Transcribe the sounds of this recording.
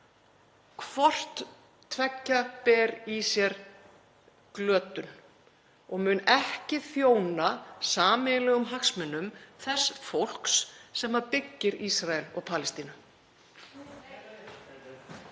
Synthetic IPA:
kʰv̥ɔr̥t̪ːʰ | vɛcːapɛːɾisjɛɾ | klœːt̪ʏn | ɔɣmʏnɛhcɪθjoːwnasaːmɪlɛɣʏmɦaksmɛnːʏmθɛsːfowl̥ksːɛmːaɾpɪcːɪɾisɾaɛlɔɣpʰaːlɪst̪iːnʏ

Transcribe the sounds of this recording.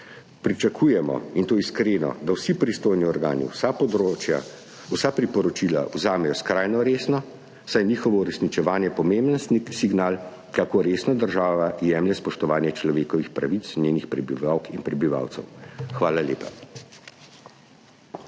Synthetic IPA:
pɾit͡ʃakʰuːjɛmɔ̰int̪oːiskɾeːnɔ̰d̪awsipɾist̪oːjniɔɾɡaːnḭsapɔd̪ɾot͡ʃja̰ | wsapɾipɔɾɔt͡ʃila̰wzaːmɛjɔskɾajnɔɾeːsnɔ | sajniːxɔʋɔuɾɛsnit͡ʃɛʋaːnjɛpɔmembənsnisiɡnaːl | kakoːɾeːsnad̪əɾʒaːʋajɛmlɛspɔʃt̪ɔʋaːnjɛt͡ʃlɔʋeːkɔʋixpɾaʋit̪snʲjeːnixpɾɛbiʋawkinpɾɛbiʋa̰wt̪sɛ̰wxʋaːlaljeːpa

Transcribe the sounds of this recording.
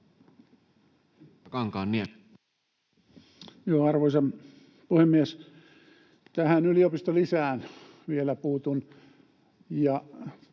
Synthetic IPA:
kɑŋkɑːnnie | joːɑrʋoisɑm | puhemːies | t̪æhænyliopist̪olisæːn | ʋielæpuːt̪un | jɑ

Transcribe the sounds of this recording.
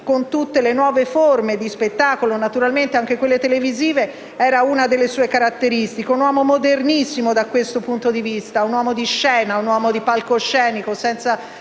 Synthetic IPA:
kont̪ut̪ːelenwɔːveformed̪ispet̪ːaːkolonat̪uɾalment̪eaŋk̟ekwelːet̪eleviziːve | ɛːɾaunad̪elːesuːekaɾat̪ːeɾist̪ikeunwɔːmomod̪ernisːimod̪akwest̪opunt̪od̪ivist̪aunwɔːmod̪iʃːɛːnaunwɔːmod̪ipalkoʃːɛːnikosɛnt̪sa

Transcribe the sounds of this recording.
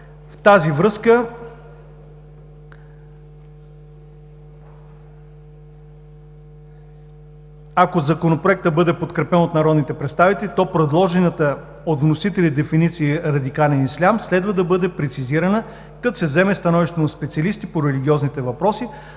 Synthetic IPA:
ft̪azivɾɤskə | akozɐkonopɾoɛk̚t̪əbɤd̪ɛpot̪kɾɛpɛnot̪nɐɾɔd̪nit̪ɛpɾɛt̪st̪avit̪ɛlit̪ɔpɾɛd̪lˠɔʒɛnət̪ə | ot̪vnosit̪ɛlid̪ɛfinit̪siːɾɐd̪ikalɛnislʲamslɛd̪vəd̪ɐbɤd̪ɛpɾɛt̪siziɾɐnə | kɐt̪sɛzɛmɛst̪ɐnɔviʃt̪onɐspɛt̪siɐlist̪ipoɾɛliɡ̟ʲiɔznit̪ɛvɐpɾɔsi

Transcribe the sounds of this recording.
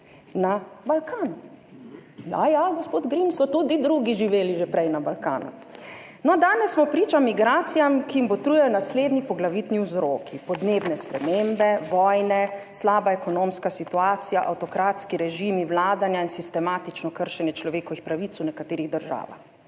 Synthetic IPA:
nabalkʰaːnu | ja̰jaɡospoːd̪ɡɾimsɔt̪uːd̪id̪ɾuɡiʒiʋeːliʒepɾɛjnabalka̰ːnṵ | nɔd̪aːnɛsːmɔpɾiːt͡ʃamiɡɾaːt̪sijamkiimbɔt̪ɾuːjɛjɔnasleːd̪nipɔɡlaʋiːt̪niwzɾoːkʰipɔd̪neːbnɛspɾɛmeːmbɛʋɔːjnɛslaːbaɛkɔnoːmskasit̪uaːt̪sijaʔa̰wt̪ɔkɾaːt̪skiɾɛʒimiwlaːd̪anjainsist̪ɛmaːt̪it͡ʃnɔkəɾʃɛnjɛt͡ʃlɔʋeːkɔʋixpɾaʋiːt̪sunɛkat̪eːɾiɣd̪əɾʒa̰ːʋa̰x

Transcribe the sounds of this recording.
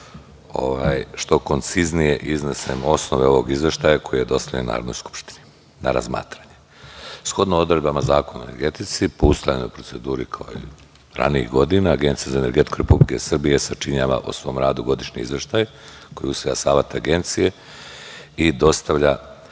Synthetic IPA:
o̰ʋaːjʃt̪o̞ko̞nt̪siznije̞ʔiznesemo̞sno̞ʋe̞o̞ʋo̞ɡizʋe̞ʃt̪ajako̞jije̞d̪o̞st̪aʎenuna̰ːɾod̪nojsku̥pʃt̪i̥ni̥ | na̰ɾa̰zma̰ːt̪ɾaɲe | sxo̞d̪noo̞d̪ɾed̪bamazaːko̞noeneɾɡe̞t̪it̪sipo̞ust̪ajanojpɾo̞tse̞d̪uːɾikʰaoḭ | ɾa̰niḭɣɡo̞d̪inaːɡe̞nt̪sijazaene̞ɾɡe̞t̪i̥kuɾepublike̞sr̩bije̞sat͡ʃiɲaːʋa̰ʔo̰sʋo̞ːmɾaːd̪uɡo̞d̪iʃɲḭḭzʋe̞ʃt̪aj | ko̞jusʋojasaːʋet̪aɡe̞nt̪sije | id̪o̞st̪aʋʎa

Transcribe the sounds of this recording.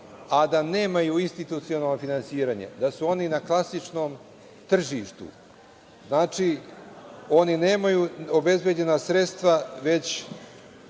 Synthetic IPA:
ad̪ane̞ːmajuinst̪it̪ut̪sio̞nalnofinansiːɾaːɲḛd̪asuo̞ninaklˠasit͡ʃno̞ːm | t̪r̩ʒiːʃt̪ṵ | znaːt͡ʃi | o̞nine̞ːmajuobe̞zbed͡ʑe̞nasɾe̞t̪st̪ʋaʋe̞t͡ɕ

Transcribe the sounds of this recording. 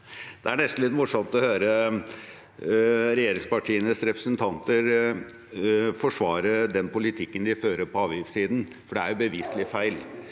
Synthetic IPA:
d̪̥ɛæɳɛst̪n̩lɪt̪mʊʂɔmt̪ɔhøːɾə | ɾɛjeːɾɪŋspɑʈʰiːənəsɾɛpɾəsənt̪ʰɑnt̪əɾ | fɔʂʋɑːɾəd̪ɛnpʊlɪt̪ʰɪkːənd̪ɪføːɾəpɔɑːʋjɪfsiːd̪n | fɔɖɛæɾjʊbəʋiːsəlɪfæɪl

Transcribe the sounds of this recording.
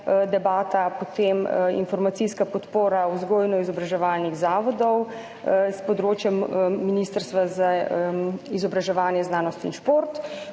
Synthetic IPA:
d̪ɛbaːt̪apɔt̪emḭnfɔɾmat̪siskapɔt̪poːɾauzɡoːjnɔizɔbɾaʒɛʋaːlniɣzaːʋɔd̪ɔw | spɔd̪ɾoːt͡ʃjɛmːinist̪əɾst̪ʋaza | izɔbɾaʒɛʋaːnjɛznaːnɔst̪inʃpoɾt̪

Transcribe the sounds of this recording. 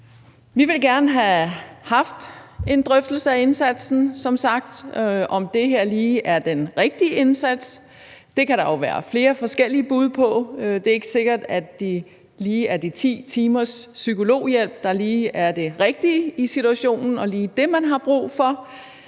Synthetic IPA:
ʋiʋe̝lɡ̥æɐnəɦæhɑ̈fd̥e̝nd̥ʁœfd̥l̩səæe̝nsæd̥sn̩sɒ̽msɑ̈ɡ̥̚d̥ʔɒ̽md̥e̝ɦeɐ̰liːʔæɐd̥enʁeɡ̥̚d̥iəe̝nsæd̥s | d̥e̝kæɾ̥ɑ̈oʊʋæːɐ̰fle̝ːɐfɒ̽sɡ̥el̰iəb̥uð̞ˠpʰɒ̽d̥e̝e̝ɡ̥ə̥se̝ɡ̥ɐd̥ædd̥i | liːæɐd̥it͡sʰḭːt͡sʰiːmɐsːykʰo̝lo̝̰ːjel̰b̥̚d̥ɑ̈liːæɐd̥e̝ʁeɡ̥̚d̥iisit͡suæɕo̝̰ːnn̩ɒ̽liːd̥e̝mænɦɑ̈b̥ʁṵːfɒ̽

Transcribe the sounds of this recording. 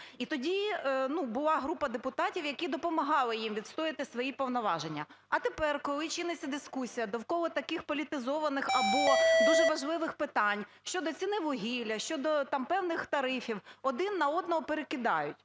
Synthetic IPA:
it̪ɔdʲinubʊlˠɑɦɾupɐd̪epʊt̪ɑtʲiwjɐkid̪ɔpɔmɐɦɑlˠɪjimʋʲid̪st̪ɔjɪt̪ɪsʋɔjipɔwnɔʋɑʒenʲːɐ | ɐt̪epɛrkɔlˠɪt͡ʃɪnɪt͡sʲːɐd̪ɪskusʲijɐd̪ɔwkɔlˠɔt̪ɐkɪxpɔlʲit̪ɪzɔʋɐnɪxɐbɔd̪uʒɛʋɐʒlˠɪʋɪxpɪt̪ɑnʲʃt͡ʃɔd̪ɔt͡sʲinɪʋɔɦʲilʲɐʃt͡ʃɔd̪ɔt̪ɑmpɛwnɪxt̪ɐɾɪfʲiwɔd̪ɪnːɐɔd̪nɔɦɔpeɾekɪd̪ɑjʊtʲ

